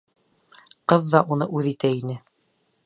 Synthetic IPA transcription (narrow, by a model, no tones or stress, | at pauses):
qɤðːɑʔunɤʔʉðit̪æinɘ